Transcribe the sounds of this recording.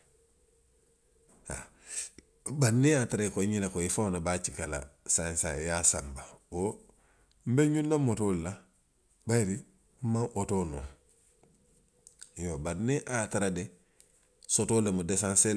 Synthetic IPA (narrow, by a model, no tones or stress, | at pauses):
a̰ | baniataɾaikoiɲelekoifaonabaːt͡ʃikala̰sãnsa̰jasãmbawo | m̩beɲũnːamotoːlla | bajiɾi | m̩mãʔotono̰ | jobaniʔataɾade | sotoːlemudesãnse